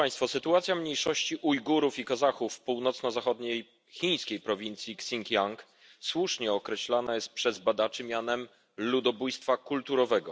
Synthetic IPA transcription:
aj̃st̪fɔsɘt̪uat̪sʲjamɲejʂɔɕt͡ɕiʔujɡuɾufikazaxufpuwnɔt̪snɔzaxɔd̪ɲej | xʲiɲ̃skʲejpɾɔvʲint̪sʲjiksʲiŋkʲjaŋk | swuʂɲɛɔkɾɛɕlanajɛst̪̚pʂɛzbad̪at͡ʂɘmʲjanɛm | lud̪ɔbujst̪fakult̪uɾɔvɛɡɔ

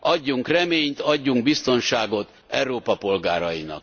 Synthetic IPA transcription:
ʔɒɟːuŋkrɛmeːɲt̪ɒɟːuŋɡbist̪o̞nʃaːɡo̞t̪ | ɛwɾoːpɒpo̞lɡaːɾɒjinɒ̰k

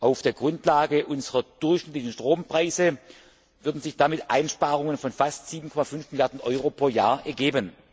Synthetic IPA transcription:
ʔaʊfd̥eːɐɡʁʊntlaːɡəʔʊnzəʁɐd̥ʊɐçʃnɪtlɪçn̩ʃtʁ̥oːmpʁ̥aɪzə | vʏɐdn̩zɪçd̥amɪtʔa̰ɪnʃpaːʁ̞ʊŋənfɔnfastz̥iːbn̩kʰɔmafʏnfmɪljaɐdn̩ʔɔʏʁopʁ̥oːjaːɐʔɛɐɡeːbən

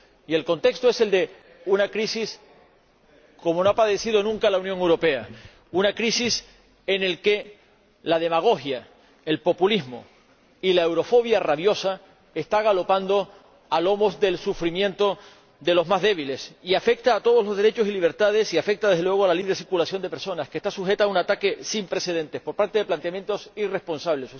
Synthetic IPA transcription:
ie̞lko̞nt̪e̞kst̪o̞e̞se̞ld̪e̞ | unakɾisis | ko̞mono̞apaðe̞sið̞o̞nũŋkalauwnjoŋe̞wɾo̞pe̞a | unakɾisis | ene̞lke̞ | lað̞e̞maɣ̞o̞xja | e̞lpo̞pulizmo̰ | ilaewɾo̞fo̞β̞jaraβjo̞sa | est̪aɣ̞alo̞pand̪o̞ | alo̞mo̞zðe̞lsufɾimjẽ̞nt̪o | d̪e̞lo̞zmazðe̞βile̞siafe̞k̚t̪aːt̪o̞ð̞o̞zlo̞zðe̞ɾe̞t͡ʃo̞siliβ̞e̞ɾt̪að̞e̞siafe̞k̚t̪aðeðelwe̞ɣ̞o̞alaliβɾe̞siɾkulasjo̞nd̪e̞pe̞ɾso̞naske̞st̪asuxe̞t̪aunat̪ake̞simpɾe̞se̞ð̞e̞nt̪espo̞ɾpaɾt̪e̞ðe̞plant̪eamje̞nt̪o̞sire̞spo̞nsaβle̞s

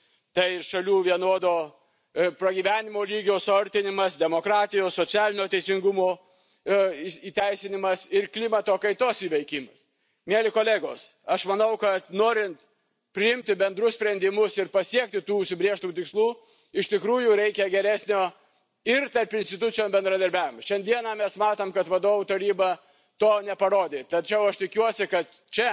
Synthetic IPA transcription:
t̪ɐɪɪʃɐlʲuːʋʲiɛnoːd̪oː | pɾɐɡʲiːʋʲæːnʲɪmoːlʲiːɡʲoːsɐɾʲt̪ʲɪnʲɪmɐsd̪ʲɛmoːkɾɑːt̪ʲɪjoːssot̪sʲæːlʲɪnʲoːt̪ʲɛɪsʲɪŋɡʊmoː | ɪiːt̪ʲæɪsʲɪnʲɪmɐsɪɾklʲɪmɐt̪oːkɐɪt̪oːsiːʋʲɐɪkʲɪmɐs | mʲeɛlʲɪkoːlʲeːɡoːsɐʃmɐnɐʊkɐt̪noːɾʲɪnt̪ | pʲɾʲɪɪmʲt̪ʲɪbʲɛnd̪ɾʊsʲpʲɾʲɛnd̪ʲɪmʊsɪɾpɐsʲiɛk̚t̪ʲɪt̪uːʊʃʲsʲɪbʲɾʲeːʃt̪ɐmuːt̪ʲɪkslˠuː | ɪʃt̪ʲɪkɾuːjuɾʲɛɪkʲɛɡʲɛɾʲæːsʲnʲoː | ɪrt̪ɐɾpɪnʲsʲt̪ʲɪt̪ʊt͡s̪ʲɪjoːmbʲɛnd̪ɾɐd̪ɐɾʲbʲæːʋʲɪmɐʃʲɛnd̪ʲiɛnɑmʲɛsmɑːt̪oːmkɐt̪ʋɐd̪oːʋut̪ɐɾʲiːbɐ | t̪oːnʲɛpɐɾoːd̪ʲeːt̪ɐt͡ʃʲɛʊɐʃt̪ʲɪkʲuɔsʲɪkɐt̪ | t͡ʃʲɛ

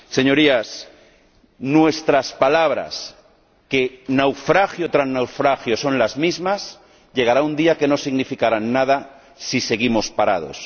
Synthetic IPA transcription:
se̞ɲo̞ɾias | nwe̞st̪ɾaspalaβ̞ɾa̰s | kenawfɾaxjot̪ɾannawfɾaxjo̞so̞nlazmizmas | ʎe̞ɣ̞aɾaund̪iake̞no̞siɣnifikaɾanːað̞a | sise̞ɣimo̞spaɾað̞o̰s

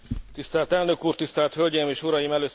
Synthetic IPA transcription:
t̪ist̪ɛːlt̪ɛlnøkuːrt̪ist̪ɛːlt̪hø̞lʲɟɛjmeːʃuɾɒjimɛløː

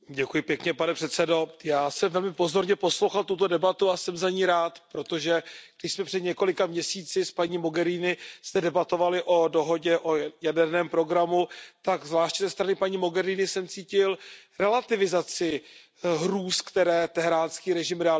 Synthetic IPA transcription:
ɟɛkujɪpjɛkɲɛpanɛpr̥ɛt̪sɛdo̞jaːsɛmvɛlmɪpo̞zo̞ɾɲɛpo̞slowxalt̪ut̪o̞dɛbat̪uasɛmzaɲiːɾaːt̪pɾo̞t̪o̞ʒɛɡ̚dɪʃsmɛpr̥ɛd̪ɲɛko̞lɪkamɲɛsiːt͡sɪspaɲiːmo̞ɡɛɾiːnɪst̪ɛdɛbat̪o̞valɪʔo̞do̞ɦo̞ɟɛʔojadɛɾnɛːmpɾo̞ɡɾamut̪aɡzvlaːʃczɛst̪ɾanɪpaɲiːmo̞ɡɛɾiːnɪsɛmt͡siːcɪlɾɛlat̪ɪvɪzat͡sɪ | ɦɾuːskt̪ɛɾɛːt̪ɛɦɾaːnskiːɾɛʒɪmɾɛa

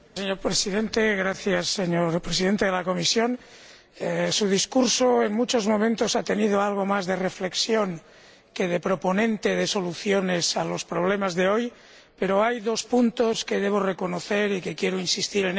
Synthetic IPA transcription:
seɲo̞ɾpɾesiðent̪eɣɾaθjasːeɲoɾpɾesiðent̪eðelako̞misjon | suð̞iskuɾsoeŋmut͡ʃo̞zmomẽnt̪osat̪e̞niðoalɣ̞o̞mazðe̞refleksjoŋ | ke̞ð̞epɾoponẽ̞nt̪eð̞eso̞luθjone̞salo̞spɾoβ̞lemazðe̞oj | peɾoajðospunt̪oskeðeβ̞ore̞konoθeɾike̞kjeɾoinsist̪iɾen

